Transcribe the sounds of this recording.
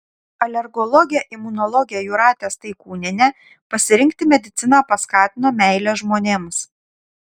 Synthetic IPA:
ɐlʲɛɾɡɔlˠɔɡʲɪjɛʔɪmʊnɔlˠɔɡʲɪjɛjuɾɑːt̪ʲeːst̪ɐɪkuːnʲɪnʲɛ | pɐsʲɪɾʲɪŋʲk̚t̪ʲɪmʲɛd̪ʲɪt̪sʲɪnɑːpɐskɑːt̪ʲɪnoːmʲɛɪlʲɛʒmoːnʲeːms

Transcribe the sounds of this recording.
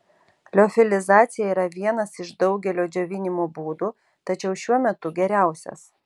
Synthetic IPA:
lʲoːfʲɪlʲɪzɑːt̪sʲɪjɛiːɾɐʋʲiɛnɐsɪʃd̪ɒʊɡʲɛlʲoːd͡ʒʲoʋʲɪnʲɪmoːbuːd̪uː | t̪ɐt͡ʃʲɛʊʃʲuɔmʲɛt̪ʊɡʲɛɾʲæˑʊsʲɛ̰s

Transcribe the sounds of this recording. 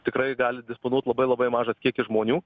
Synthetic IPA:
t̪ʲɪkɾɐɪɡɑːlʲɪd̪ʲɪsponuɔt̪ʲlˠɐbɐɪlˠɐbɐɪmɑːʒɐskʲiɛkʲɪʒmoːnʲuː

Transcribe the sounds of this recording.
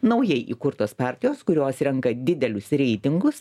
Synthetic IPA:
nɒʊjɛɪʔḭkʊɾt̪oːspɑˑɾʲt̪ʲɪjoːskʊɾʲoːsɾʲɛŋkɐd̪ʲɪd̪ʲɛlʲʊsɾʲɛɪt̪ʲɪŋɡʊs

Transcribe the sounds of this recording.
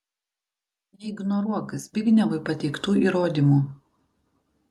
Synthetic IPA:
jiɪɡnɔɾuɔkɐsbʲɪɡʲnʲɛʋʊɪpɐt̪ʲɛɪkt̪uːiːɾoːd̪ʲimuː

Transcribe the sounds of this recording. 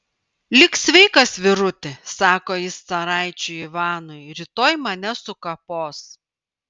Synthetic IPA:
lʲɪksʲʋʲɛɪkɐsʋʲɪɾʊt̪ʲɪsɑːkoːjɪsːɐɾɑˑɪt͡ʃʲʊiʋɑːnʊɪɾʲiːt̪oːjmɐnʲɛsʊkɐpoːs

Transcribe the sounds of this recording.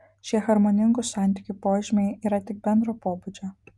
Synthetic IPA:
ʃʲiɛxɐɾmonʲɪŋɡʊsɑˑnʲt̪ʲɪkʲʊpoːʒʲɪmʲeɪiːɾɐt̪ʲɪk̚bʲɛnd̪ɾoːpoːbud͡ʒʲo

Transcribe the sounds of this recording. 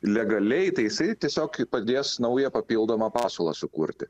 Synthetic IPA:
lʲɛɡɐlʲɛɪt̪ɐɪjɪsɐɪt̪ʲiɛsʲoːkpɐd̪ʲeːsnɐʊjɛpɐpʲiːlˠd̪oːmɑpɑːsoːlˠɑ̰sʊkṵɾʲt̪ʲɪ

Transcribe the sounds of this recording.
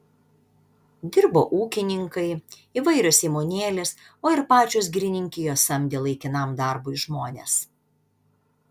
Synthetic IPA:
d̪ʲɪɾbo̰ːʔuːkʲɪnʲɪŋkɐɪ | iːʋɐɪɾʲʊsʲiːmoːnʲeːlʲɪs | oːɪɾpɑːt͡ʃʲos̬ɡɾʲɪnʲɪŋʲkʲɪjoːsɐmʲd̪ʲɪlˠɐɪkʲɪnɐmd̪ɐˑɾbuːɪʒmoːnʲḛs

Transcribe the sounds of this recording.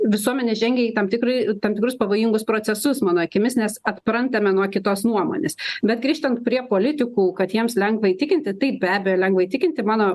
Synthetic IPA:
ʋʲɪsuɔmʲɛnʲeʒʲɛŋʲɡʲɛit̪ɐmt̪ʲɪkɾɐɪt̪ɐmt̪ʲɪkɾʊspɐʋoːjɪŋɡʊspɾoːt͡s̪ʲɛsʊsmɑːnoːɐkʲɪmʲɪsnʲɛsɐt̪pɾɐnt̪ɐmʲɛnuɔkʲɪt̪oːsnuɔmo̰ːnʲḛːsbʲɛt̪ɡɾʲiːʃt̪ɐnt̪̚pʲɾʲiɛpoːlʲɪt̪ʲɪkuːkɐt̪jiɛmslʲɛŋɡʋɐɪt̪ʲɪkʲɪnʲt̪ʲɪt̪ɐɪp̚bʲæːbʲejoːlʲɛŋɡʋɐɪt̪ʲɪkʲɪnʲt̪ʲɪmɑːnoː

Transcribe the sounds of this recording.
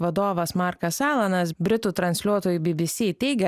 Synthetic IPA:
ʋɐd̪oːʋɐsmɑˑɾkɐsɑːlˠɐnɐs̬bʲɾʲɪt̪uːt̪ɾɐnʲsʲlʲuɔt̪oːjubʲɪbʲɪsʲiːt̪ʲɛɪɡʲɛ

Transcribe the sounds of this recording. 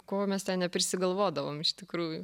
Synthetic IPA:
koːmʲɛst̪ʲɛnnʲɛpʲɾʲɪsʲɪɡɐlˠʋoːd̪ɐʋoːmɪʃt̪ʲɪkɾuːjʊ

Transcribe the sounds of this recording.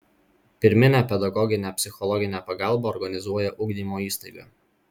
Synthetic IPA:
pʲɪɾʲmʲɪnʲæːpʲɛd̪ɐɡɔɡʲɪnʲɛpʲsʲɪxɔlˠɔɡʲɪnʲɛːpɐɡɑˑlˠbɐɔɾɡɐnʲɪzuɔjɛʔʊɡd̪ʲiːmoːiːst̪ɐɪɡɐː

